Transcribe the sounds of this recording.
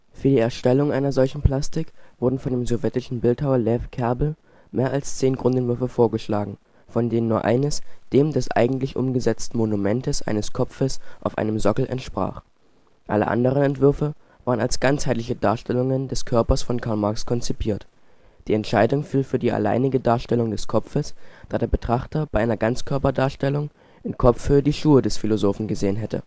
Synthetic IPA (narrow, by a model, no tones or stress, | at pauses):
fyːɐdiːɛɐʃtɛlʊŋʔaɪnɐzɔlçn̩pl̥astɪkv̥ʊɐdn̩fɔndeːmzɔvjɛtɪʃn̩bɪlthaʊɐlɛfkʰɛɐbl̩ | meːɐʔalst͡seːnɡʁʊntɛntvʏɐfəfoːɐɡəʃlaːɡŋ̩ | fɔndeːnənːuːɐʔa̰ɪnəsd̥eːmdɛsʔa̰ɪɡŋ̩tlɪçʔʊ̰mɡəzɛt͡stn̩monumɛntəsʔa̰ɪnəskʰɔp͡fəsʔa̰ʊfʔa̰ɪnəmzɔkl̩ʔɛ̰ntʃpʁ̥a̰ːχ | ʔa̰lə̰ʔa̰ndəʁ̞ənɛntv̥ʏɐfə | vaːʁəna̰lsɡ̥ant͡shaɪtlɪçəda̰ːɐʃtɛlʊŋəndɛskʰœɐpɐsfɔnkʰaɐlmaɐkskʰɔnt͡sipʰiːɐt | d̥iːɛntʃaɪdʊŋfiːlfyːɐdiːa̰la̰ɪnɪɡədaːɐʃtɛlʊŋdɛskʰɔfəsd̥aːdeːɐbətʁ̥aχtɐbaɪʔaɪnɐɡant͡skʰœɐpɐdaːɐʃtɛlʊŋ | ʔɪnkʰɔp͡fhøːədiːʃuːədɛsfilozoːfn̩ɡəzeːənɦɛtʰə̰